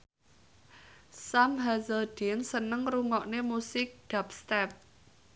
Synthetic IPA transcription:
samɦazəld̥insənəŋruŋɔʔnemusɪk̚d̥a̤p̚st̪ɛp̚

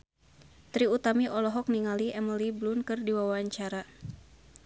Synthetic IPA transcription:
t̪ɾiut̪amiʔɔlɔɦɔk̚niŋaliɛməliblunkɨrdiwawaɲt͡ʃaɾa

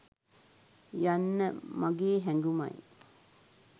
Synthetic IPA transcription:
janːəmaɡeːɦæŋɡuma̰j

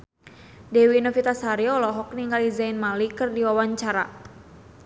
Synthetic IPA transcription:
dɛwinofit̪ashaɾiɔlɔɦɔk̚niŋɡalizainmalikɨrdiwawaɲt͡ʃaɾa̰

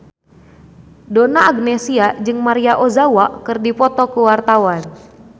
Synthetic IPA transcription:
donaːɡ̚nɛsiad͡ʒɨŋmaɾiaʔozawakɨrdipɔt̪ɔkuwart̪awan

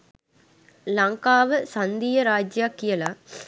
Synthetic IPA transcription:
lɐŋkaːʋɐsɐnd̪iːjɐɾaːd͡ʒjaːkijɐlaː

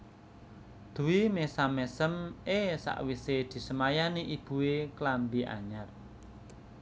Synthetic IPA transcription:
d̪̥ṳwimesamesəmesa̰ʔwised̪̥i̤səmajaniʔib̥ṳweklambiʔa̰ɲar

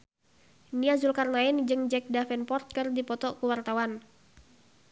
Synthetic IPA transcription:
niazulkarnaind͡ʒɨŋd͡ʒɛk̚dafɛnpɔrt̪̚kɨrdipɔt̪ɔkuwart̪awan

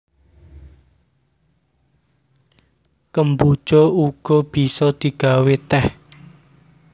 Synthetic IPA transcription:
kəmbu̥ʒ̥ɔuɡ̥ɔ̤b̥i̤sɔd̪̥i̤ɡ̥a̤wet̪ɛh

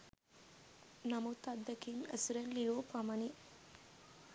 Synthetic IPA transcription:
nɐmut̪ɐd̪ːɐkimə̰suɾenlijoːpɐmɐni

